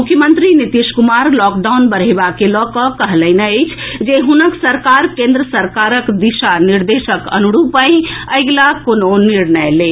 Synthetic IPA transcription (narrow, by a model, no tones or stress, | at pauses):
mukʰjəmənt̪ɾinit̪iʃkumaɾlɔk̚ɖaʊnbəɾ̤eɪbakelɔkɔkəɦləɪnəəɪt͡ʃʰd͡ʒeɦunəksəɾkaɾkẽnd̪ɾəsəɾkaɾəkd̪iʃaniɾd̪eʃəkə̰nuɽupə̃ɪ̃əjɡlakononiɾnəle